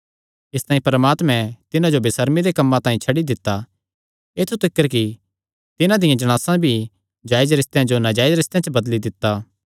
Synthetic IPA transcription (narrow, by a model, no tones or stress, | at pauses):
ɪst̪aːĩpɐɾəmaːt̪mɛ̃t̪ɪnãd͡ʒobɪsəɾmid̪ekɐmːãt̪ãːĩt͡ʃʰɐɽid̪ɪt̪ːa | eːt̪ʰut̪ɪkːəɾki | t̪ɪnãd̪ɪjãd͡ʒɐɽ̃aːsãbʱi | d͡ʒaːɪd͡ʒɾɪst̪ejãd͡ʒonad͡ʒaːɪd͡ʒɾɪst̪jãt͡ʃəbɐd̪lid̪ɪt̪ːaː